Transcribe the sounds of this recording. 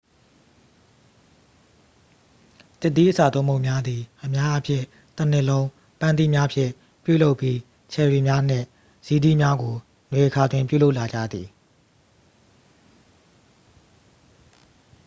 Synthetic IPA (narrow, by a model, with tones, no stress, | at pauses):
t̪ɪ˦ʔt̪̬ːi˦ʔə˦sa˨t̪õ˦˨mo˦ʊʔmja˦d̪i˨ʔəmja˦ʔpʰjɪ̰̃˦˨ | t̪ən̥ɪ˦ʔlõ˦ʊ̃ | pã˦nt̪ḭ˦˨mja˦pʰjɪ̰̃˦˨ | pjṵ˦˨lo˦ʊpːji˦ | t͡ɕʰɛ˨ɹi˨mja˦n̥ɪ̰̃˦˨ | z̥i˨dḭ˦˨mja˦ɡo˨ | nwe˨ʔəkʰa˨dwɪ̃˨mpjṵ˦˨lo˦ʊʔla˨d͡ʑa̰˦˨d̪ði˨